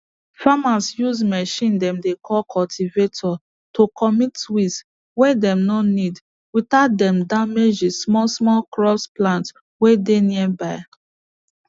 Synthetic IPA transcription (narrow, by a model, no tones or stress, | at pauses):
famasjuzmɛʃĩndɛ̃mdekʰɔlkʰɔltʰivetʰɔ | tokʰɔmitwis | wedɛ̃mnɔnid | witaʊt̚dɛ̃mdamed͡ʒismɔlsmɔlkɹɔpsplãnt | wedeniɛbaɪ